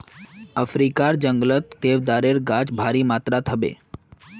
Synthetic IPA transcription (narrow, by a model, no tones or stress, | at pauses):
əfɾikaɾd͡ʒəŋɡlət̪d̪eʋd̪aɾeɾɡad͡ʒbʱaɾimat̪ɾat̪ʰəbḛ